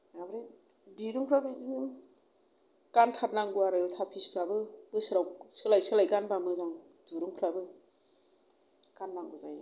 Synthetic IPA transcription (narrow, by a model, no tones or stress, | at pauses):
abɾi | diɾuŋpʰɾabiziŋ | kantʰat̚laŋɡuaɾɯjɯtʰapʰispʰɾabɯb̥ɯsɯɾawsɯlajsɯlajkanbamɯzaŋ | duɾuŋpʰɾabɯ | kanːaŋɡuzaj